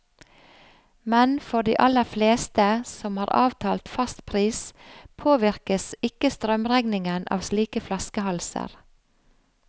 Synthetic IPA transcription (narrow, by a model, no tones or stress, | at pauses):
mɛnfɔɖ̪ḭːʔɑləɾfleːst̪əsɔmhɑːɾɑ̰ːʋt̪ʰɑːlt̪fɑst̪pʰɾiːspʰoːʋɪɾkəsɪkəst̪ɾœmɾɛɡnɪŋənʔɑ̰ːʋsliːkəflɑskəhɑlsə̰ɾ